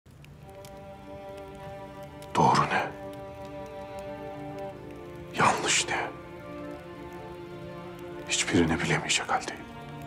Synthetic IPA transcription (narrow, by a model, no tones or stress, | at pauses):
d̪̥oːɾunɛ | janːɯʃnɛ | hit͡ʃbiɾinɛbilʲemijd͡ʒɛkalʲd̪i̥